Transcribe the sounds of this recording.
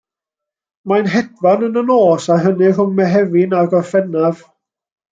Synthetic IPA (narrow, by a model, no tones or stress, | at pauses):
manɦɛdvanənənoːsaɦənɪrʊmmɛɦɛvɪnaɡɔfɛnav̥